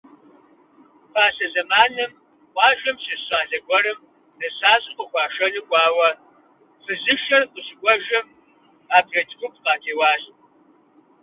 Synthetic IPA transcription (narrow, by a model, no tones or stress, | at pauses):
pʰaːsɐzɐmaːnɨm | qʷʼɑːʒɐmɕɪɕʼaːɮɐɡʷɔɾɨm | dɐsaːɕʼɪqʼəxʷɑːʃɐnɨɡʷʼɑːwɐ | fɨzɨʃɐrqʷʼəɕɪɡʷɔʒɐm | aːbɮɐtʼbʷʊp̚ʰʼqaːtʰeːwɑːɕʼ